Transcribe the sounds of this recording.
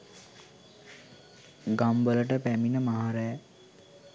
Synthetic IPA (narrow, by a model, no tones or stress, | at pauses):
ɡambələʈəpæminəmaɦaɾəj